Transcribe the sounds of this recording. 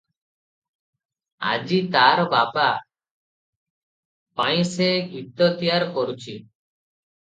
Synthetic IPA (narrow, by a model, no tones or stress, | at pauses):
a̰d͡ʑit̪aɾbaba | paj̃seɡʱit̪ːot̪ijaɾkoɾut͡ɕʰi